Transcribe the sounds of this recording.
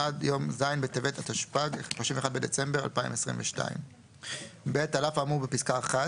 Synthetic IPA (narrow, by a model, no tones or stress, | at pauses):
adjo̞mzajnbet̪evet̪ʰat̪aʃpaɡealoʃimveχad̪̚be̞det͡se̞mbeʁa̰lpaḭmesʁḭmveʃta̰ḭm | betalafamubepiskaːχa